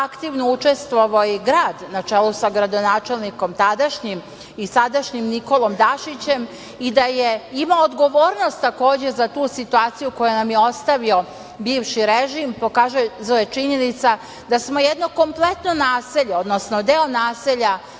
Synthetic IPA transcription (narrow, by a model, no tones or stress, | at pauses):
akt̪iʋnout͡ʃe̞st̪ʋoʋoiɡɾaːd̪nat͡ʃelˠusaɡɾad̪o̞naːt͡ʃelniko̞mt̪ad̪aʃɲim | isad̪aʃɲimniko̞lˠo̞md̪aʃit͡ɕe̞m | id̪aje̞imaoːd̪ɡo̞ʋo̞ːɾno̞st̪ːako̞ːd͡ʑe̞zat̪uːsit̪uaːt̪sijuko̞janamjeo̞st̪aʋio̞ | biːʋʃiɾeʒimpo̞kaːʒuzojet͡ʃiɲe̞nit̪sa | d̪asmo̞jed̪no̞ko̞mplˠe̞t̪nonaːseʎeo̞d̪nosnod̪eonaːseʎa